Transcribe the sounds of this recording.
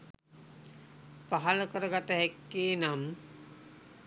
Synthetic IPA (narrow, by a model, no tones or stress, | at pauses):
paɦaləkəɾəɡat̪əɦɛkːeːnam